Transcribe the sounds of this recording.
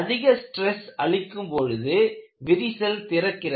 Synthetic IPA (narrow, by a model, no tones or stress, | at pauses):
ðɪɣɐsʈrɛsɐɭɪkːɯmpɔɻɯðɯʋɪɾɪsɐlt̪ɪɾɐkːɪrɐ